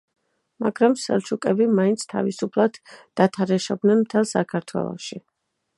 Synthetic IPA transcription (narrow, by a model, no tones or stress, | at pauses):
maɡɾamsɛ̰lˠt͡ʃʰukʼɛbimaint̪sʰt̪ʰa̰visupʰlˠad̪̥ː | at̪ʰaɾɛʃɔb̚d̪nɛnmt̪ʰɛlˠsakʰaɾt̪ʰwɛ̰lˠɔ̰ʃi